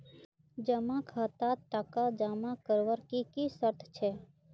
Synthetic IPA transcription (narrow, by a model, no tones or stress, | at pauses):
d͡ʒəmãkʰaːt̪aʈakad͡ʒaːmãkəɾʋəɾkikisəɾt̪ʰt͡ʃʰe